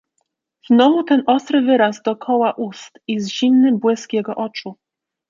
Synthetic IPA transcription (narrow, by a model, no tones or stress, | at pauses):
z̥nɔvut̪ɛnʔɔst̪ɾɘvɘɾazd̪ɔkʰɔwaʔust̪izʑimnɘbwɘskjɛɡɔʔɔt͡ʂu